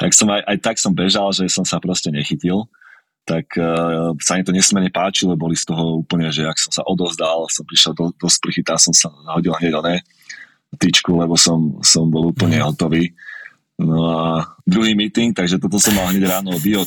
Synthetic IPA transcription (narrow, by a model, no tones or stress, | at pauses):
t̪aksɔmajʔajt̪aksɔmbɛʒalʒɛsɔmsapɾɔscɛɲɛxicil | t̪akʰ | samit̪ɔɲɛsmɛɾɲɛpaːt͡ʃilɛbɔlist̪ɔɦɔuːpl̩ɲɛʒɛaksɔmsa̰ʔɔd̪ɔzd̪alsɔmpɾiʃɛld̪ɔd̪ɔspr̩xit̪amsɔmsaɦɔɟilˠɦɲɛɟlɲɛ | t̪it͡ʃkulɛbɔsɔmsɔmbɔluːpl̩ɲɛɦɔt̪ɔʋiː | nɔad̪ɾuɦiːmiːt̪iŋk̚t̪aɡʒɛt̪ɔt̪̬ɔsɔmːalɦɲɛɟɾaːnɔbiɔ